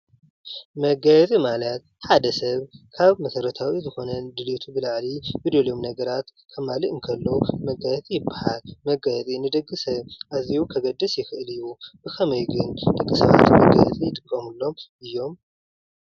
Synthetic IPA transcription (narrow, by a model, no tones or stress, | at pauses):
mɐɡajɛt͡sʼimalɐt̪̚ | ħad̪ɐsɐβkʰaβmɐsɐɾɐt̪ʰawizɨxo̞nɐd̪ɨlit̪ʰubɨlaʕlibɨd̪oljomnɐɡɐɾat̪kʰɐmalɨʔɨŋkʰɐlːomɐɡajt͡s̪ʼijɪbːahalmɐɡajt͡s̪ʼinɨd̪ɐɡʼːɨsɐβʔaziwukʰɐɡɐd̪ːɨsjɪxɨʔɨlɨjːubɨxʰɐmɐjɡɨnd̪ɐɡʼːɨsɐβa̰t̪mɐɡa̰jɛ̰t͡s̪ʼijɪt̪ʼɨkʼːɐmulːo̞mʔɨjːo̞m